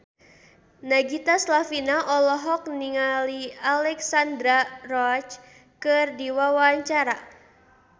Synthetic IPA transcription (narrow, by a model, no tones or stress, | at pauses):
naɡit̪aslafinaʔɔlɔɦɔk̚niŋalialɛksand̪ɾarɔt͡ʃ | kɨrdiwawaɲt͡ʃaɾa